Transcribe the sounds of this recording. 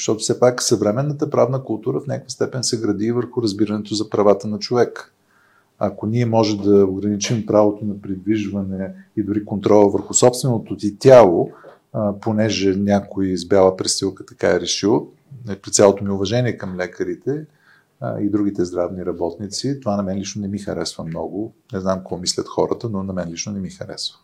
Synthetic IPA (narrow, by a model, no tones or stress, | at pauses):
ʃt̪ɔt̪ʊ̥fsɛpaksɐvɾɛmɛnːət̪əpɾavnəkʊlˠt̪uɾəfnʲakvəst̪ɛpɛnsɛɡɾɐd̪ivəɾxʊɾɐzbiɾɐnɛt̪ozɐpɾɐvat̪ənɐt͡ʃovɛk | ɐkoniɛmɔʒɛmd̪ɐoɡɾɐnit͡ʃimpɾavot̪onɐpɾid̪viʒvɐnɛid̪ʊɾikont̪ɾɔlˠəvəɾxʊsɔpst̪vɛnot̪oit̪ʲjalˠo | ponɛʒɛnʲakoizbʲalˠəpɾɛsilˠkət̪ɐ̥ka̰ɛɾɛʃilˠ | pɾit̪sjalˠot̪omiʊvɐʒɛniɛkɐmlɛkəɾit̪ɛ̰ | id̪ɾuɡ̟it̪ɛzd̪ɾavniɾɐbɔt̪nit̪sit̪ovanɐmɛnlit͡ʃnonɛmixɐɾɛsvəmnɔɡonɛznamkoɔmislʲət̪xɔɾət̪ənonɐmɛnlit͡ʃnonɛmixɐɾɛ̰svə̥